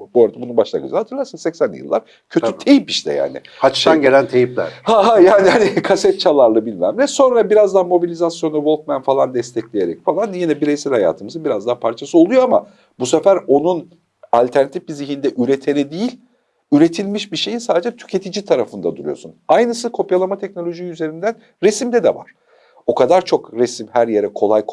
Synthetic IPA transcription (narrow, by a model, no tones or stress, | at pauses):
boɾad̪ɛbunubaʃlˠa̰ɡɯ̰d͡ʒ̰̪hat̪ʰɯɾlˠaɾsɯnsɛcsænʲjɯ̰lˠːa̰ɾ | cʰø̞t̪ʰyt̪ʰe̞jipiʃlɛ̰ja̰ːnɪ̰hat͡ʃʰʃanɟelʲænt̪ʰejiplʲæ̰ɾhaɦajaːnianikʰasɛt̪̚t͡ʃʰalˠaɾlˠɯbilʲmæmlɛso̞nɾabiɾazd̪amo̞bilʲizasjo̞navo̞lˠt̪̚mænfalˠand̪ɛst̪ʰɛclʲeje̞ɾɛ̰cfalˠanjinɛbiɾejsilʲhaja̰ːt̪ʰɯmɯzɯnbiɾazd̪apʰaɾt͡ʃʰasɯo̞lˠujoama̰ | busefæɾo̞nun | alʲt̪ʰæɾnat̪ʰi̥fbiziɦind̪ɛʔyɾe̞t̪ʰeɾid̪ijilʲ | yɾe̞t̪ʰilʲmiʃbiɾʃe̞jinsaːd̪ed͡ʒɛt̪ʰy̥cʰe̞t̪ʰid͡ʒit̪ʰaɾafɯnd̪a̰d̪uɾṵjo̞̰sunajnɯsɯkʰo̞pjalˠamat̪ʰɛc̚nolʲo̞ʒijyze̞ɾind̪æn | ɾesimd̪ɛd̪ɛ̰va̰ɾ̥ | o̞kʰad̪aɾt͡ʃʰo̞kɾesimhæɾje̞ɾɛkʰo̞lˠaj